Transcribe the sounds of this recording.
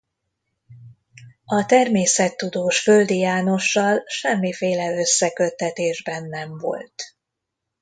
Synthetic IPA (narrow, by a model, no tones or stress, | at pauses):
ɒt̪ɛrmeːsɛt̪ːud̪oːʃfø̞ld̪ijaːno̞ʃːɒlʃɛmːifeːlɛø̞sːɛkø̞t̪ːɛt̪eːʒbɛnːɛɱvo̞̰lt̪